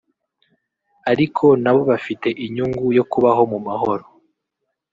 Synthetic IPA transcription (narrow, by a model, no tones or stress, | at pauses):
aɾikʰo̞naβo̞βafite̞ʔiɲuŋɡujo̞kuβaɦo̞mumaɦo̞ɾo